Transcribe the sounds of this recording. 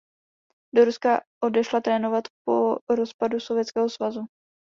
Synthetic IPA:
do̞ɾuskaʔo̞dɛʃlat̪ɾɛːno̞vat̪po̞ɾo̞spadusovjɛtt͡skɛːɦo̞svazu

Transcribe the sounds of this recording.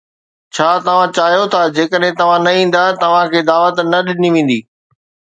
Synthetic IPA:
t͡ɕʰaːt̪ɐʋ̤ãt͡ɕaːɦijot̪ʰad͡ʑeːkəɗɦɪ̃t̪ɐʋ̤ãnɐĩːn̆d̪at̪ɐʋ̤ãkʰeːd̪aːʋət̪nɐɗɪniʋẽːn̆d̪iː

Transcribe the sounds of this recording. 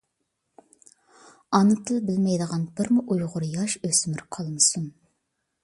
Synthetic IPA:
ɑnɨt̪ʰɨbɪlmɛjd̪əʁɑnbɪɾmɪʔujʁʊɾjɑʃøsmɪɾqʰɑlˠmɨsun

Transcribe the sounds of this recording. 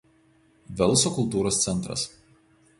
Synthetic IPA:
ʋʲɛlˠˑsoːkʊlˠt̪uːɾoːst̪sʲɛnˑt̪ɾɐ̰s

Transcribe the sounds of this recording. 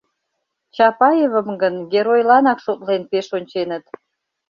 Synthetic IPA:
t͡ɕɑpɑjevəmɡənɡʲeɾojlɑnɑkʃot̪lenpeʃonʲt͡ɕenət̪

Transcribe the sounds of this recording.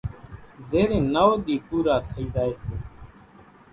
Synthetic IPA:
zeːɾẽːnaːoːɗ̪iːpuːɾaːt̪ʰəiːzaːeːseː

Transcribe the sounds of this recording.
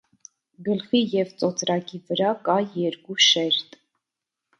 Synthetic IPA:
ɡəlχijɛvt͡sʼɔt͡sʰɾɑkivəɾɑkɑjɛɾkuʃɛɾt̪ʼ

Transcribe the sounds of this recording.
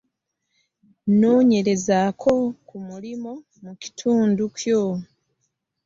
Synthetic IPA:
no̞ːɲe̞ɾe̞zaːkʰo̞kumulimo̞ | muci̥tʰuːnducjo̞

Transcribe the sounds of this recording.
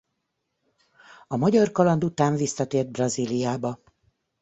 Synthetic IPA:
ɒmɒɟɒrkɒlɒnd̪ut̪aːɱvisːɒt̪eːrd̪̚brɒzilijaːbɒ

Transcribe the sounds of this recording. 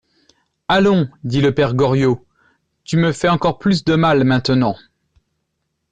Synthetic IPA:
alɔ̃d̪iləpɛʁɡɔʁjo | t̪yməfɛɑ̃kɔʁplys̬d̪əmalmɛ̃t̪ənɑ̃

